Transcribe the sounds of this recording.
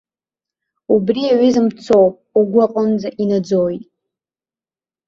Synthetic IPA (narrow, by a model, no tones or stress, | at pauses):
ubriaʕʷizɨmt͡sʰowpʼuɡʷaqʼənd͡zaʔinad͡zojtʼ